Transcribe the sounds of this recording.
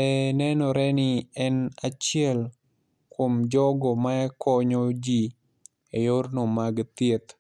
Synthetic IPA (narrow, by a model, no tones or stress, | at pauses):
ɛnɛnɔɾɛnɪɛnat͡ʃɪɛl | komd͡ʒɔɡɔmaɛkɔɲod͡ʒi | ejornomaɡt̪et̪